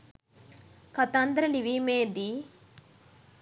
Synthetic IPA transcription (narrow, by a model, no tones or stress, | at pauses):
kɐt̪and̪ɾɐliʋimeːd̪i